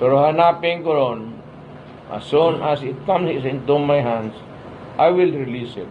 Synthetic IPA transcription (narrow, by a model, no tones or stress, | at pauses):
poɾoɦanapɪŋkoɾon | ʔa̰sunasɪt̪̚kãmsɪsɪ̃nt̪umajɦãnds | ʔajwilɹilisɪt̪